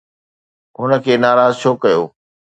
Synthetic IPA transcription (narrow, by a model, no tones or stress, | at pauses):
ɦʊnə̆kʰeːnaːɾaːzt͡ɕʰoːkɐjoː